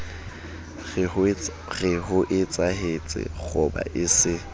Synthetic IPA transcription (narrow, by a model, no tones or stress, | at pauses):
ɣɪɦʊʔɪt͡sʼaɦet͡sʼɪ̰χʊba̰ʔɪsɪ